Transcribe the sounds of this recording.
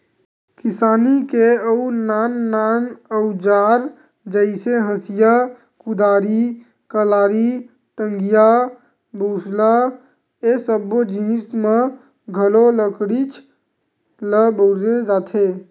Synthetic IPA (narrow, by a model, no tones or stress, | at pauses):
kɪsaːnikeəunaːnːaːnəʊd͡ʒaːɾ | d͡ʒəɪseɦə̃sɪja | kʊd̪aːɾi | kəlaːɾi | ʈə̃ŋɡija | boːsla | esəbod͡ʒĩːsmẽ | ɡʱəloləkɽit͡ʃʰ | ləboːɾed͡ʒaːt̪ʰe